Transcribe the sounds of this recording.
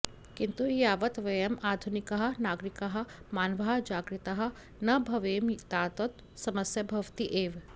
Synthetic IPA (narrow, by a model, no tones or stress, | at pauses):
kɪnt̪ujaːʋɐt̪ʋejɐmaːd̪ʱunɪkɐɦɐnaːɡɾɪkɐɦɐmaːnʋaːɦd͡ʒaːɡɾɪt̪ɐɦɐ | nɐbʱɐʋeːmt̪aːt̪ot̪ | sɐmɐsjɐbʱɐʋt̪iʔeːʋ